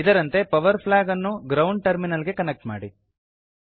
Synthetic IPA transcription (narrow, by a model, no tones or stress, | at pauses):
id̪ɐɾɐnt̪e̞pɐʋɐɾpʰlaːɡɐnːuɡɾɐwɳɖ̚ʈɐɾminɐliɡe̞kɐnek̚ʈmaːɽi